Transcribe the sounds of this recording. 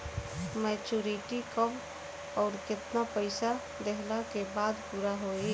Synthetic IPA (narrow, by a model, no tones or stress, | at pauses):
mɛt͡ʃuɾiʈikəm | ɔʊɾkɪt̪napəɪsa | d̪eɦlakebad̪puɾaɦoi